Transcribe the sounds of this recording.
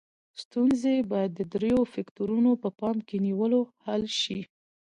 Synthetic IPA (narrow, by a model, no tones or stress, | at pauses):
st̪unzebɑjad̪ːəd̪ɾejofakt̪oɾunopəpɑnkeniwəlohalʃi